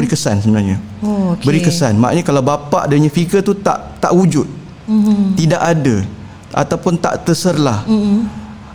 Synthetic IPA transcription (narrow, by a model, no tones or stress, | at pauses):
ɾikəsansəbənarɲa | okbəɾikəsanmaa̰ʔɲakalawbapa̰ʔdaiɲafiɡət̪ut̪a̰ʔt̪aʔwud͡ʒʊt̪̚ | idaʔada | ʔa̰t̪awpʊnt̪a̰ʔt̪əsərlah